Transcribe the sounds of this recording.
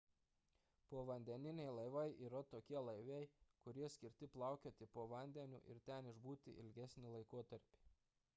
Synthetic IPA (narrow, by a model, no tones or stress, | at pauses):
poɔʋɐnʲd̪ʲɛnʲɪnʲɛɪlˠɐɪʋɐɪʔiːɾɐt̪oːkʲiɛlˠɐɪʋʲɛɪkʊɾʲiɛsʲkʲɪɾʲt̪ʲɪplˠɑˑʊkʲoːt̪ʲɪpoːʋɐnʲd̪ʲɛnʲṵːʔɪ̰ɾt̪ʲɛnɪʒbuːt̪ʲɪ̰ʔɪ̰lʲɡʲæsʲnʲɪlˠɐɪkoɔt̪ɐɾʲpʲi